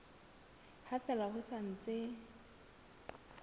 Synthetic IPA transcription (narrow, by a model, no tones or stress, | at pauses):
hatɛlahʊsan̩t͡sʼɪ